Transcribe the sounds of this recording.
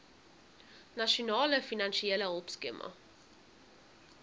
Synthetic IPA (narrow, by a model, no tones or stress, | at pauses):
naʃonɑːləfinanʃiɛləɔpskḛmʔɐ̰